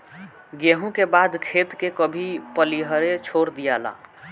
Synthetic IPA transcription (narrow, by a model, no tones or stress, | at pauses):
ɡeɦũkebaːd̪kʰeːt̪kekəbʱipəliɦəɾet͡ʃʰoːɾd̪ijala̰ː